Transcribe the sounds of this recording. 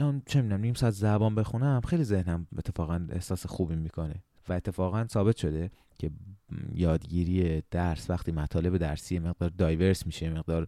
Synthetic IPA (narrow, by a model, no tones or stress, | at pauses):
ælɒnt͡ʃʰemid̪unæmnimsɒæt̪ʰzæbɒːnbe̞xunæmxejlize̞hnæmet̪ʰːe̞fɒːɣæne̞̰hsɒːsexuːbimikʰo̞ne̞ | væe̞t̪ʰːe̞fɒːɣænsɒːbe̞t̪ʃo̞d̪e | cʰe̞jɒːd̪ɟiːɾiːjed̪̥æɾsvæxt̪ʰiːmæt̪ʰɒːle̞be̞d̪æɾsiːjeme̞ɣd̪ɒːɾd̪ɒːjve̞ɾsmiʃejeme̞ɣd̪ɒːɾ